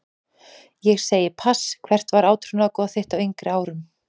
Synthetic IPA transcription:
jɛɣseːjɪpʰaskʰvɛr̥t̪vaɾaːwt̪ʰɾunakɔːðaθɪht̪awejŋkɾɪaːwɾʏm

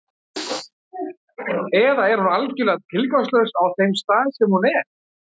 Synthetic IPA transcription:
ɛðaɛɾ̥hunalcʏlɛɣt̪̚t̪ʰɪlkɔst̪lœɥsawθejmst̪aːðsɛmhunɛɾ̥

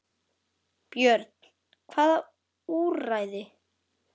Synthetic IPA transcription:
pjœɾt̪n̥ | kʰvaːða | uraːjðɪ

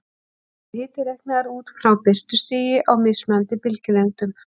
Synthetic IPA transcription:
hɪːt̪ɪɾɛhknɪaɾuːt̪fɾawpɪr̥t̪ʏ̥st̪ɪːjɪʔawmɪðsmɛnt̪ɪpɪlcɪlɛnt̪ʏm

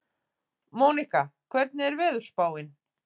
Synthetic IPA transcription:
moːnihkakʰvɛɾt̪̚nɪɛɾvɛːðʏɾ̥spaːwɪn

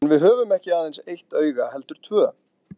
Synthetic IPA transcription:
nvɪðɦœːvʏmɛhcɪaːðejnsejht̪œːɥɣahɛlt̪ʏɾ̥t̪ʰvœː

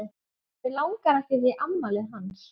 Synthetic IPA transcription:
ðɪlawŋkaɾɛhɪvɪʔamːalɪɦans

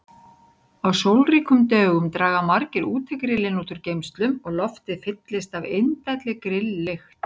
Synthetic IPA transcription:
awsowlriːkʏmt̪œːɣʏmt̪ɾaːɣamaɾcɪɾʔuːt̪ʰɛkɾɪlːɪnuːt̪ʏɾcejmst̪lʏmɔɣlɔft̪ɪðfɪt̪lɪst̪avejnt̪ajt̪lɪkɾɪlːɪxt̪

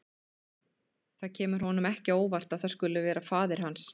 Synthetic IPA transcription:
θaðcʰɛːmʏɾ̥ɦɔnʏmɛhcɪoːwvar̥t̪aðθaðskʏlʏvɛːɾafaːðɪɾ̥hans

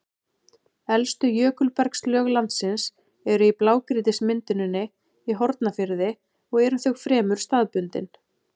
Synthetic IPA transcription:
ɛlst̪ʏjœːkʏlpɛɾkslœːɣlant̪sɪns | ɛɾʏiplaːwkɾɪt̪ɪsmɪnt̪ɪnʏnːɪ | iɦɔɾt̪nafɪɾðɪ | ɔɣɛɾʏnθœɣfɾɛːmʏɾ̥st̪aːðpʏnt̪ɪ̰n

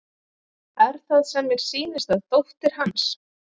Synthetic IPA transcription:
ɛɾ̥θaðsɛmːɛɾ̥siːnɪst̪aðt̪owht̪ɪɾ̥hans

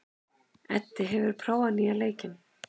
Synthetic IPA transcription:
ɛ̰t̪ːɪɦɛvʏɾ̥pʰɾaːwanialeːjcɪn

